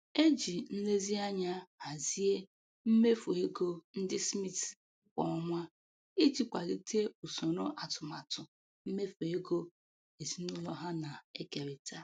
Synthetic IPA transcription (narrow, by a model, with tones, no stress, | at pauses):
e˦d͡ʒi˨n̩˦le˦zi˦a˦ɲa˦a˨zi˦e˦ | m̩˦me˦fo˨e˦ɡo˦n̩˦dɪ˦smi˦t | kʷɔ˨ɔ˨ŋʷa˦ | i˦d͡ʒi˦kʷa˨ɾi˨te˦u˨so˨no˦ʔa˨tʊ˨ma˨tʊ˨ | m̩˦me˦fo˨e˦ɡo˦ | e˨zi˦nʊ˦lɔ˦ɦa˦na˨e˦ke˨ɾɪ˨ta˦